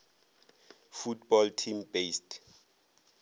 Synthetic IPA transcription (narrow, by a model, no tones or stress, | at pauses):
futbɔltʰimbest